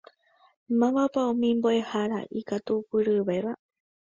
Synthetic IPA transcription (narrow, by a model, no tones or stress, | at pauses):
mãmapaõmĩmboehaɾa̰ʔikat̪upɨɾɨβeβa